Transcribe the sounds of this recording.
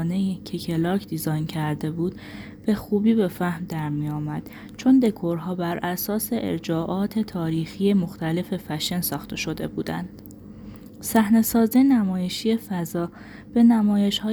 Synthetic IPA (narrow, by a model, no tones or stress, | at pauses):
ne̞icʲʰecʰe̞lɒːcʰd̪izɒjncʰæɾd̪e̞buːd̪̥ | b̥e̞xuːbiːbe̞fæhmd̪æɾmijɒːmæd̪̥ | t͡ʃʰo̞nd̪e̞kʰoɾɦɒːbæɾʔæsɒːse̞ʔḛɾd͡ʒɒːʔɒːt̪ʰe̞t̪ʰɒːɾiːxiːje̞moxt̪æle̞fe̞fæʃensɒːxt̪ʰe̞ʃo̞d̪e̞̰buːd̪æ̰nd̪̥ | sæhne̞sɒːzienæmɒːje̞ʃie̞fæzɒː | b̥e̞næmɒːje̞ʃhɒː